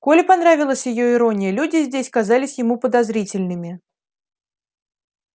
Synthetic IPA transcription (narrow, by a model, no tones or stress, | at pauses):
kolʲɪpɐnɾavʲɪlˠəsʲjɪjoɪɾonʲɪjəlʲudʲɪzʲdʲesʲkazalʲɪsʲjɪmupəd̪azɾʲit͡sʲɪlʲnɨmʲɪ